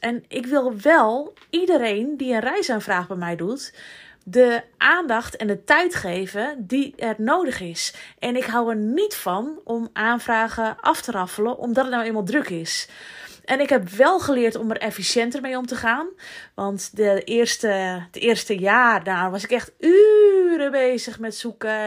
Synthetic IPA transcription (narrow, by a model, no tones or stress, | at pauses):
ʔɛnɪkʋɪlˠʋɛlˠ | idəɾeːndiənrɛjsanfraːxbɛjmɛjdutdəʔaːndɑxtʰɛndətɛjtχeːvədiɛrnoːdəxɪsʔɛnɪkɦawərnitfɔnʔomʔaːnfraːɣəʔɑftərɑfələʔɔ̰mdɔtətnawemalˠdrøkɪs | ʔɛnɪkɦhɛpʋɛlˠχəlɪətɔmərɛfisjɛntərmejomtəχaːnʋɑntdəɪrstətɪːrstəjaːrdaʋɔsɪkɛxtyɾəbeːzəxmɛtsukə